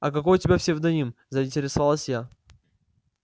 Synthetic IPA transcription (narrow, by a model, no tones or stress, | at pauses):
ɐ̰kɐkojʊtʲɪbʲafsʲɪvd̪ɐnʲimzəɪnʲtʲɪɾʲɪsɐvalˠəsʲja